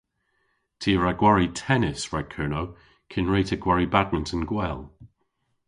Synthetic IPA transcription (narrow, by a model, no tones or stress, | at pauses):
tʰiːəɹaɡwaɹitʰɛnɪsɹad̚kʰɜːnoʊ | kʰɪnɹeːtʰəɡwaɹibad̚mə̃ntʰə̃nɡwɛlˠ